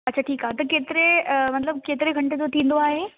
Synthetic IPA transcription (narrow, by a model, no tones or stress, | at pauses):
ɐːɕʰaʈʰiːkaːɦet̪ɐkeːt̪ɪɾemɐt̪ləb̚keːt̪ɪɾeɡʱɐ̃ɳʈed͡ʑot̪ʰĩːn̆d̪oaːɦe